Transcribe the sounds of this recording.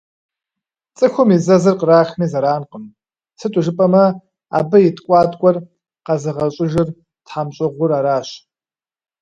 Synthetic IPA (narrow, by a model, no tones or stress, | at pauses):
t͡sʼɨxʷʊmizɐzɨrqəraːxmiːzɐɾaːnqəm | sʰɨtʼʊʒɨpʼɐmɐ | a̰ːbɐjɪtʰʼkʷʼɑːtʼkʷʼɔr | qɐzɨʁɐɕʼɪʒɪr | tħamɕʼɨʁʷʊɾaːɾaːɕ